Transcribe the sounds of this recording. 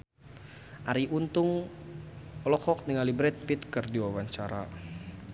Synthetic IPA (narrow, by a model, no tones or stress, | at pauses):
ʔaɾiʔunt̪ʊŋ | ɔlɔkɔk̚niŋalibɾɛt̪̚pit̪kɨrdiwawaɲt͡ʃaɾa